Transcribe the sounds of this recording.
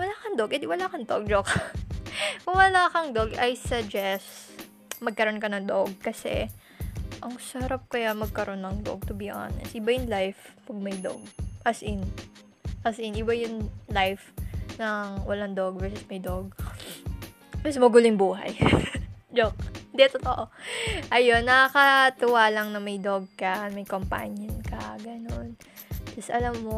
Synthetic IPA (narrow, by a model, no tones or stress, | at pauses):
wɐlaːkɐŋd̪oɡʔɛd̪ɪwɐlakɐŋd̪oɡ̚d͡ʒok | kʊŋwɐlaːkɐŋd̪oɡɐjsɐd͡ʒɛs | mɐɡ̚kɐɾo̞nkɐnɐŋd̪oɡ̚kɐsɛ̰ | ʔɐŋsɐɾap̚kɐjamɐɡ̚kɐɾʔo̞nːɐŋd̪o̰ɡ̚t̪ʊbiʔa̰ːnɛ̰st̪ʔɪbajʊŋlajfpɐɡ̚mɐjd̪o̰ɡ̚ʔɐsʔɪn | ʔɐsʔɪnʔɪbajʊŋlajfnɐŋwɐlaŋd̪oɡ̚vɛɹsɪsmɐjd̪oɡ̚ | ɛsmɐɡuːlɪŋbuːɦɐ̰j | d͡ʒok̚nd̪ɛt̪ot̪oʔoʔɐjo̞nːɐkɐt̪ɪwaːlɐŋnɐmɐjd̪oɡ̚kɐmɐjkompa̰ɲjonkɐɡɐnon | tɪsʔɐlamːo